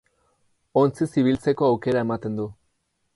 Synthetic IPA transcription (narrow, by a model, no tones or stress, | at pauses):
o̞nt͡sisiβ̞ilt͡se̞ko̞awke̞ɾae̞mat̪e̞nd̪u